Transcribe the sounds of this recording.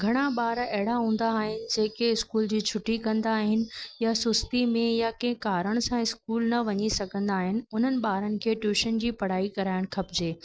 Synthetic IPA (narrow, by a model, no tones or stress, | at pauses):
ɡʱɐɽ̃aɓaːɾɛɦɪɽaɦũːn̆d̪aːɦɪnɪ̆d͡ʑeːkeɪskuːld͡ʑiːt͡ɕʰʊʈːikɐ̃nd̪aːɦɪnɪ̆jasʊst̪imẽjakẽɦɪ̃kaːɾəɽ̃sãɪskuːlnɐʋɐɲisɐɡʱə̃nd̪aːɦɪnɪ̆ʊn̤ənɪ̆ɓaːɾənɪ̆kʰeːʈjuːʃənd͡ʑiːpɐɽ̤aːikɐɾaːɪɽ̃xʰɐbd͡ʑeː